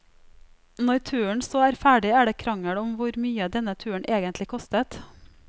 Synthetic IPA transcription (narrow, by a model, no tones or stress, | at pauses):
nɔʏt̪ʰʉːəɳ̩sɔæːɾfæːɖɪæːɖeːkʰɾɑŋəɽɔmʋʊɾmyːəd̪ɛnət̪ʰʉːəɳ̩ʔeːɡənt̪lɪkʰɔst̪ət̪